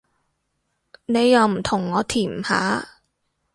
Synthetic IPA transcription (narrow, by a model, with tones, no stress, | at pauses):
ne˨˧jːɐ˨˧wm̩˨˩t̪ʰʊ˨˩ŋːɔː˨˧t̪ʰiː˨˩m̩˨˩ha̰ː˨˥